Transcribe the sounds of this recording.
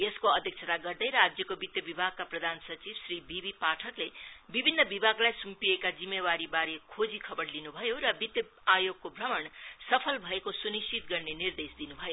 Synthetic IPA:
eskoʌd̪ʱjʌk̚t͡sʰʌt̪aɡʌrd̪ʌjɾad͡zjʌkobit̪jʌbibʱaɡ̚kaprʌd̪ʱansʌt͡sibsribibipaʈʰʌklebibʱinːʌbibʱaɡlajsumpiekad͡zimːewaɾibaɾekʰod͡zikʰʌbʌɽlinubʱʌjorʌbit̪jʌ | ajoɡ̚kobʱrʌmʌnsʌpʰʌlbʱʌekosunist͡ʃit̪ɡʌrnenird̪esd̪inubʱʌjo

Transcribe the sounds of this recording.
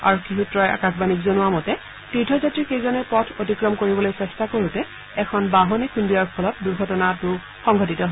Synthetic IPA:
a̰ɹɔkʰːiɦutɹɔja̰kakbanikzɔnʊwamɔtɛ | titʰɔzatɹikejzɔnɛpɔtʰotikɹɔmkoɹibɔlojsɛstakoɹutɛ | ɛkʰɔnbaɦonikʰundijaɹpʰɔlɔt̚duɹɡʱɔtɔnatʊ | xɔŋɡɔtitɔɦɔ

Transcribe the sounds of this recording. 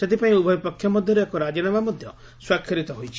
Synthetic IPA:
set̪ipaĩubʱɔbipɔkʰjɔmɔd̪ʱjɔɾeekɔɾad͡ʒinamamɔd̪ʱjɔ | swakʰːiɾit̪ɔɦojt͡ʃʰi̥

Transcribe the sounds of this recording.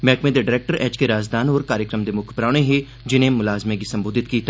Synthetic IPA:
mɛːkmẽd̪eɖɪɾeːk̚ʈəɾɛːd͡ʒkeɾaːzd̪aːnɔːɾkaːɾjəkɾəmd̪emʊkʰpɾaːɽ̃eɦɛ | d͡ʒɪnɦẽmʊlaːzmek̬isɐ̃mboːd̪ɪt̪kiːt̪ʰa

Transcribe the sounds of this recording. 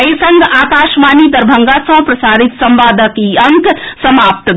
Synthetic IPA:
esɐŋɡʱaːkaːʃmaːnid̪ɐɾbʱɐŋɡasɐ̃pɾɐsaːɾit̪sɐmʋaːd̪ʱəkiɐŋksɐmaːp̚t̪

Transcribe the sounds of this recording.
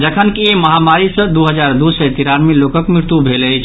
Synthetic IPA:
d͡ʒəkʰənkieməɦamaɾisə̃d̪uɦəd͡ʒaɾd̪usət̪iɾanmelokəkmɾɪɾt̪ubʱeləjt͡ʃʰ

